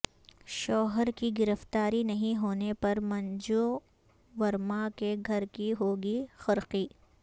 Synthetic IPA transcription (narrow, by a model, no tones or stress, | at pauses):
ʃɔːɦəɾkiɡɪɾəft̪aːɾinɐɦĩɦoːnepɐɾmɐ̃nd͡ʒo | ʋɐɾmakeɡʱɐɾkiɦoːɡixɐɾqiː